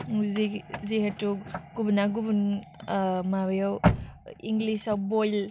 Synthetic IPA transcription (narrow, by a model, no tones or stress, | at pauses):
ziziɦatuɡubunaɡubun | mabjawiŋɡlisawbojl